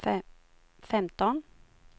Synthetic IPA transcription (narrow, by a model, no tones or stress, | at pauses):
fɛmt̪ɔn